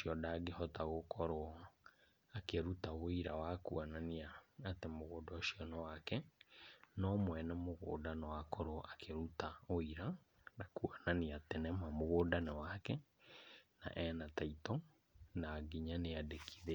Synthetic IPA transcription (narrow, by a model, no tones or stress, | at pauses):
oʃiɔdaɡehɔtaɣokɔɾo | akeɾutaoiɾawakuananiaːtemoɣoːdɔʃiɔnɔwakɛ | nɔmwɛnɛmoɣo̰ːdanɔwakɔɾoʔakʰeɾutaoiɾa | nakuananiatɛnɛmamoɣoːdanɛwakɛ | na̰ʔɛnataitɔ | naɡiɲaneadekʰiðe